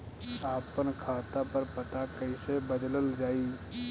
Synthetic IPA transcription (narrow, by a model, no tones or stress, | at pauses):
saːpənkʰaːt̪apəɾpət̪akəisebəd̪ləld͡ʒaːi